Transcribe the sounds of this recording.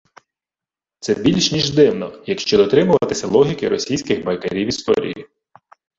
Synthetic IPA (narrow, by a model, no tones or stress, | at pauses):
t̪sɛbʲilʲʃnʲiʒd̪ɪwnɔjɐkʃt͡ʃɔd̪ɔt̪ɾɪmʊʋɐɐt̪ɪsʲɐlˠɔɦʲikɪɾɔsʲijsʲkɪxbɐjkeɾʲiwist̪ɔ̰ɾʲḭjḭ